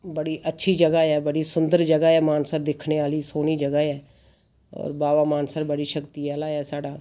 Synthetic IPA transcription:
bəɽiːʔətːʃʰiːd͡ʒəɡaːɛːbəɽiːsʊnd̪əɾd͡ʒəɡaːɛːmaːnsəɾd̪ɪkʰneːaːliːsoːniːd͡ʒəɡaɛː | ɔ̰ːɾbaːʋaːmaːnsəɾbəɽiːʃəkt̪iaːlaːɛːsaːɖaː

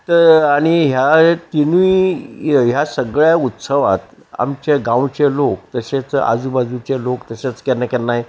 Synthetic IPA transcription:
t̪əɾaɽ̃iɦjat̪inui | ɦjasəɡɭjaut̪səʋa̰t̪ | a̰mt͡ɕeɡãwt͡ɕelok̚t̪əɕet͡sa̰d͡zubad͡zut͡ɕelokt̪əɕet͡skenəkɛɾnaj

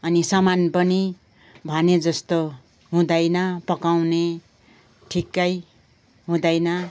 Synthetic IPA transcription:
ʌnisʌmanpʌni | bʱʌned͡zʌst̪o | ɦũd̪ʌjnʌpʌkawne | ʈʰikːʌj | ɦũd̪ʌjnʌ

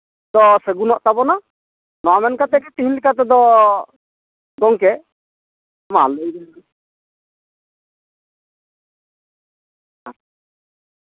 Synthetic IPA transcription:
d̪ɔsəɡunɔʔt̪abɔna | nɔamɛnkat̪ɛkɛt̪iɦinlikat̪ɛd̪ɔ | ɡ̪ɔŋkɛ | maləjɡɛli | a

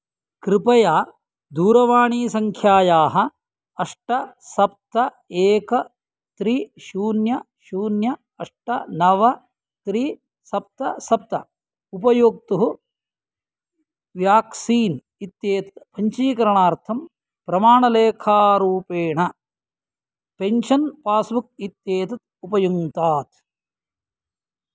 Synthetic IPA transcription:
kɾɪpɐjaː | d̪uːɾɐʋaːɳiːsɐŋkʰjaːjaːɦɐ̆ | ɐʂʈɐsɐp̚t̪ɐ | eːkɐ | t̪ɾiʃuːnjɐ | ʃuːnjɐ | ɐʂʈɐnɐʋɐ | t̪ɾiː | sɐp̚t̪ɐsɐp̚t̪ɐ | upɐjoːk̚t̪uɦu | ʋjaːksiːn | it̪jeːt̪ɐ̥t̪pʰɐɲt͡ʃiːkɐɾɐɳaːɾt̪ʰɐm | pɾɐmaːɳɐleːkʰaːɾuːpeːɳɐ | peɲʃɐnpaːsmuk̚it̪jeːt̪ɐt̪̚upɐjuŋt̪aːt̪̚

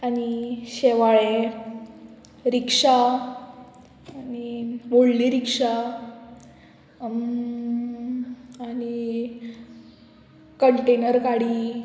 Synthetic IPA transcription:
aniɕeʋaɭe | ɾikʂa | aniʋoɽliːɾikʂa | ani | kəɳʈenəɾkaɽiː

